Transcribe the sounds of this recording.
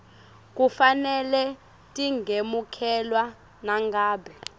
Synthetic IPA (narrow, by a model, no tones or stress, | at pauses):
k̬ʼufanɛlɛ | tʼiŋɡʱemukʰɛlwa | naŋɡaːɓɛ